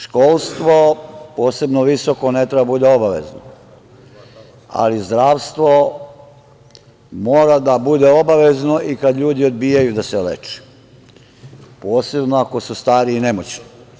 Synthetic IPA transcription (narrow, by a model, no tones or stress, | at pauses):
ʃkoːlˠst̪ʋo̞po̞ːse̞bnoʋiso̞ko̞net̪ɾebaabud̪eo̞baʋḛzno̰ | a̰lizd̪ɾaːʋst̪ʋo̞ | moːɾad̪abud̪eobaʋezno̞ʔikad̪ʎuːd̪iod̪biːjajud̪aselḛt͡ʃɛ̥ | po̞ːse̞bnoako̞sust̪aːɾiːne̞mot͡ɕni